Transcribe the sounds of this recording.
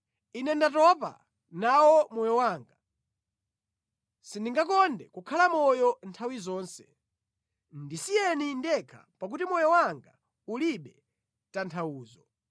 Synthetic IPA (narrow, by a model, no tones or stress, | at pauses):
inɛndatɔpa̰ | nawɔmɔjɔwaːŋɡa | sindiŋɡak̬ɔndɛkukʰalamɔjɔntʰawizɔːnsɛ̥ | ndisijɛnindɛkʰa̰ | pak̬utimɔjɔwaŋɡa | uliɓɛ | tantʰawuːzɔ